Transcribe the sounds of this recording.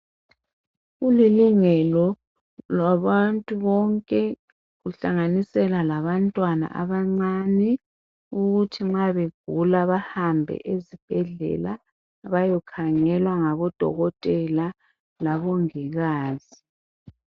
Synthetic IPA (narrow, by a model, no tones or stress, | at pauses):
uliluŋɛlɔ | lwaβantʼuβɔŋkʼɛ | ɣuɬaŋanisɛlalaβantʼwana̰ʔa̰βaŋ͡ǀanɛ | uɣutʰiŋ͡ǁaβeɡ̥ʱulaβahambʱɛ̰ʔezib̥ʱɛɮɛ̰la | βajɔkʰaŋɛlwaŋaβɔd̥ʱɔ̰ɣɔtʼɛla | laβɔŋiɣaːzi